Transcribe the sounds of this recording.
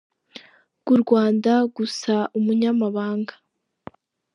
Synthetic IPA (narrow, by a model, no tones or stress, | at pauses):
ɡ̥uɾɡwaːndaɡusaumuɲamaβaːŋɡa